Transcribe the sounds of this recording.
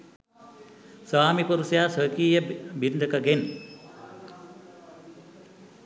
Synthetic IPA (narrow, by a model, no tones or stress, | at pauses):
saːmipuɾusjaːsɐkiːjɐbind̪ʱɐkɐɡen